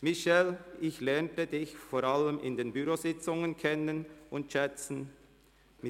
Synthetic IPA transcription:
mɪʃɛlɪçlɛɐntədɪçfoːɾaləmɪ̰ndeːnbyɾoːzɪt͡sʊŋənkʰɛnənʔʊntʃɛt͡sn̩ | mɪ

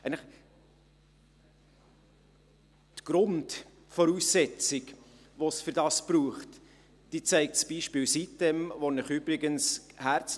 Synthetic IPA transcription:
ɛɪnləχ | tɡ̥ɾʊnd | fɔɾuːsːɛt͡sɪk | ʋosfyɾdɑspɾuːχt | d̥iːt͡sæɪk̚tsb̥iʃpɪːwsit̚d̥ɛmvonəχybɾɪɡənshæɾt͡s

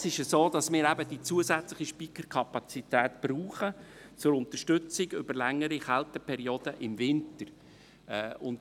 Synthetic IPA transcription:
sɪʃəsoːd̪ɑsmɪːɾæbədit͡suəzæt͡slɪχiʃpikəɾkʰɑpɑt͡sitæːtb̥ruːχə | t͡sʊɾʊnt̪əʃtʏt͡sɪɡʏbəɾlɛŋːəɾiχæltəpʰɛɾiod̥əʔɪmvɪnt̪ər | ɛːʊnt

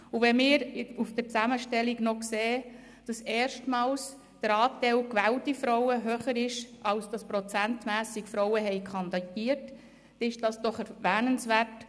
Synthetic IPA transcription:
uʋɛmɪːɾufd̥əɾt͡sæməʃtɛliɡnɔkseː | d̥ɑsɛːɾʃtmɑːls | d̥əɾɑːtɛɪlkʋæːltifɾɔwəɦøːχəɾɪʃɑlsd̥ɑspɾɔt͡sæntmæːsikfɾɔwəɦɛɪkʰɑnd̪ɑɡiːəɾt | ɛɪʃd̥ɑsd̥ɔχɛɾʋæːnənsʋæɾt

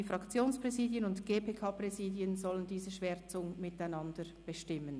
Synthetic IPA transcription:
ifʁɑkt͡sjoːnspʁ̥ɛziːdjənʊntɡ̥eːpʰeːkʰɑːprɛziːdjənzɔləndiːzəʃv̥eːt͡sʊŋmɪtaɪnɑndə | b̥əʃtɪmən

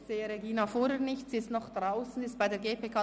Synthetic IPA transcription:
z̥eːəɾeɡiːnafoːɾhenɪçtsiːɪstnɔχd̥ʁaʊsn̩ɪstb̥aɪdeːɡeːpʰeːkʰaː

